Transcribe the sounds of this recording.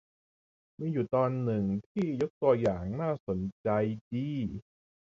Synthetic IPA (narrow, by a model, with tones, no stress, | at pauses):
miː˧ju˨˩t̪ɔː˧nːɯ˨˩ŋt̪ʰiː˥˩jo˦˥k̚t̪u˧ɐjaː˨˩ŋnaː˥˩so˩˦nt͡ɕa˧jdiː˧˩